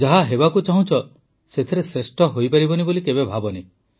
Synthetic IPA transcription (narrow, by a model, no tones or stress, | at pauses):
d͡ʒaɦaɦebakut͡ʃaɦũt͡ʃʰɔ | set̪ʰeɾesɾesʈɔɦojpaɾibɔnibolikebebʱabɔne